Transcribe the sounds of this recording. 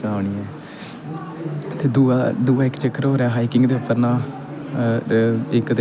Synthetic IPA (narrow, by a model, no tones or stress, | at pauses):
aːʋɳ̃iːɛː | t̪eːd̪uad̪uːaːɪkt͡ʃəkːəɾɦoːɾeaːɦaːiːkɪŋɡd̪eːʊpːəɾnãː | ɪkd̪e